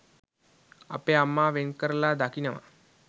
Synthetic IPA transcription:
a̰peːamːaːʋenkəɾəlaːd̪akinəʋa̰

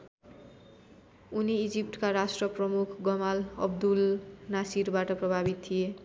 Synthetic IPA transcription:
uniid͡zip̚ʈkaɾasʈrʌprʌmukʰɡʌmalʌbd̪ulnasiɾbaʈʌprʌbʱabit̪t̪ʰːie

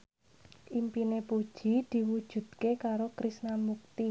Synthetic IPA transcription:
ʔimpinepud̥ʒ̥i̤d̪̥i̤wud̥ʒ̥ṳd̪̥̚kekaɾokɾisnamuk̚t̪i

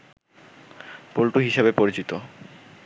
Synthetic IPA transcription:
polʈuɦiʃabepoɾit͡ɕit̪o

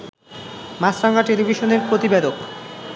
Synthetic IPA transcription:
masɾaŋɡaʈelibʱiʃoneɾpɾot̪ibed̪ok

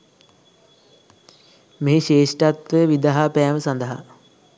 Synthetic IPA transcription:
meɦeʃeːʂʈat̪ʋəjəʋid̪aɦapæːʋəsɐnd̪əɦa̰

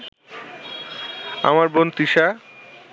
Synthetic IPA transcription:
a̰maɾbont̪iʃa

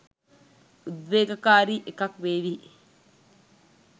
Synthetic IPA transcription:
ʔuðʋeːkɐkaːɾiːʔekɐkʋeːʋihi

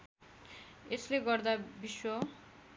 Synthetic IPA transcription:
esleɡʌrd̪abiswʌ

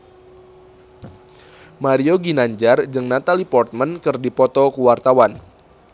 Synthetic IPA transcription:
maɾioɡinaɲd͡ʒard͡ʒɨŋnat̪alipɔrt̪̚mənkɨrdipɔt̪ɔkuwart̪awan

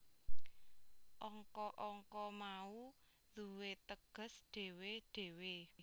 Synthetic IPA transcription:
ʔɔŋkɔʔɔŋkɔmau | d̪̥ṳwet̪əɡ̥ə̤sɖ̪̥e̤weɖ̥e̤we

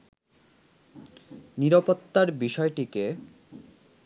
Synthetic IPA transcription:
niɾapot̪ːaɾbiʃɔeʈike

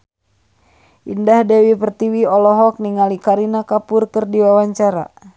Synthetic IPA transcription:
ʔindahdɛwipərt̪iwiɔlɔɦɔk̚niŋalikaɾinakapurkərdiwawaɲt͡ʃaɾa̰

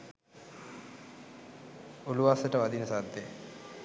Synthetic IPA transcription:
uluʋasəʈəʋad̪inəsad̪ːe

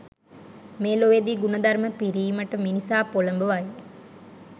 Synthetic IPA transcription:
meːloʋed̪iːɡunəd̪aɾməpiɾiːməʈəminisaːpoləmbəʋaj

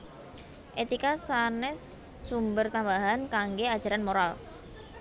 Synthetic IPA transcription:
ʔet̪ikasanɛsː | umbərt̪ambaɦankaŋɡead̥ʒ̥a̤ɾanmoɾal

